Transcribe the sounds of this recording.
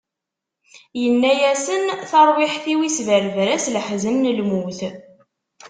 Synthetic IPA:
jənːæjæsənθɑɾˤwɪħθiwisvəɾvɾæsləħzənːəlmuθ

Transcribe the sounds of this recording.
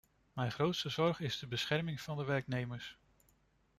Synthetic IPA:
mɛjχrowtstəzɔɹχɪzdəbəsχɛɹmɪŋv̥ɑndəʋɛɹknejməɹs

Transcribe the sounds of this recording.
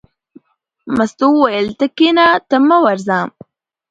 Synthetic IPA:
mast̪uwajəlt̪əkenat̪əməwaɾzaːm

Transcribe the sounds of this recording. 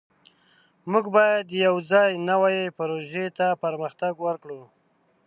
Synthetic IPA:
muɡbɑjad̪jawd͡zɑjnawajepaɾoʒet̪apəɾməxt̪aɡwəɾkɽu

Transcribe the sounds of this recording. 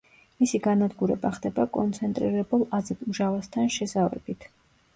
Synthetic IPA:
misiɡanad̪ɡuɾɛbaχd̪ɛbakʼɔnt̪sʰɛnt̪ʼɾiɾɛbulˠazɛd̪uʒavast̪ʰanʃɛzavɛ̰bit̪ʰ

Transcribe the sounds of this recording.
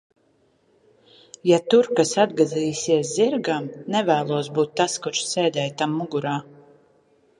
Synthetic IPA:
jat̪uɾkasad̪ɡaziːjsiɛs̬ziɾɡamnɛvæːlˠuɔsbuːt̪ːaskuɾʃseːd̪ɛːjt̪amːuɡuɾaː

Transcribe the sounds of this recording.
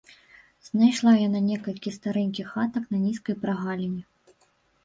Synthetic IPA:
z̥najʂlˠajananʲɛkɐlʲkʲist̪aɾɛnʲkʲixat̪ɐknɐnʲiskɐjpɾaɣalʲinʲi

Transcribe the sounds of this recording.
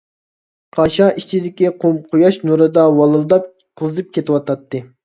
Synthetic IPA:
qʰɑʃɑit͡ʃʰid̪ɪkʲiqʰomqʰojɑʃnuɾɨd̪ɑwɑlˠɨlˠd̪ɑp̚ | qʰəlˠɨzɨp̚kʲet̪ʰɪwɑt̪ʰɑt̪ʰːɨ

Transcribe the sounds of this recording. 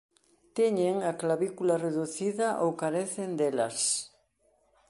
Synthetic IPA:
t̪eɲeŋaklaβikulareðuθiðaʔowkaɾeθend̪elɐs

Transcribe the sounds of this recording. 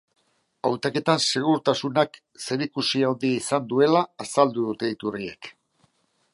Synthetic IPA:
awt̪ake̞t̪anse̞ɣ̞uɾt̪asunak | se̞ɾikusiaond̪iisand̪ue̞laːsald̪uðut̪e̞it̪urie̞̰k

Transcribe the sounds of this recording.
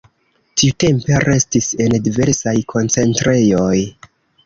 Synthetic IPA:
tiute̞mpe̞ɾʔe̞stise̞ndive̞ɾsajkʰo̞nt͡se̞ntɾe̞jo̞j

